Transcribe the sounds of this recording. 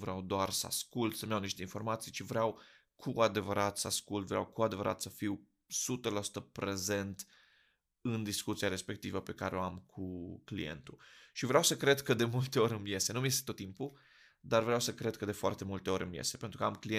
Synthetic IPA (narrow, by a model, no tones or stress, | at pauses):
vɾeawd̪oarsəa̰skult̪səmjawniʃt̪e̞info̞rmat̪sijt͡ʃivɾaw | kʰuad̪e̞vəɾat̪səaskult̪vɾʲea̰wkuad̪e̞vəɾʔa̰t̪səfiw | sut̪əlasu̥t̪əpɾe̞ze̞nt̪ | ɨnd̪iskut̪siaɾe̞spe̞kt̪ivəpe̞kaɾeoamkʰuklḭje̞̰nt̪uʃivɾeawsəkɾe̞d̪kəd̪e̞mult̪e̞o̞ɾʲɨnmje̞se̞numjest̪et̪ot̪ːimpu | d̪arvɾeawsəkɾe̞d̪̚kəd̪e̞foa̰rt̪e̞mult̪e̞o̞ɾʲɨ̰mjḛsepent̪ɾukəamklie